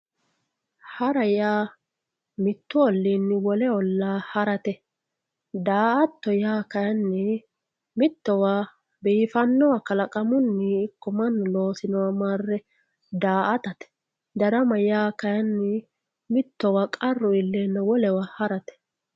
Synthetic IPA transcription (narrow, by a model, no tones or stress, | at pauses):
hɐɾɐjaː | mɪt̪ːʊɔlːinːɪwɔlɛɔlːaːhɐɾɐt̪ɛ | d̪aːʔɐt̪ːɔjaːkɐjɐnːɛ | mɪt̪ːɔwaː | bɛɪfɐnːɔwɐkɐlɐkʼɐmʊnːiɪkːɔmɐnːɔlo̞ːsɪnɔwɐmaːrːɛ | d̪aːʔɐt̪ɐt̪ɛ̥ | d̪ɐɾɐmɐjaːkɐjɐnːɪ | mɪt̪ːɔwakʼɐrːɔɪlːɛnːɐwɔlɛwahɐɾɐt̪ɛ̥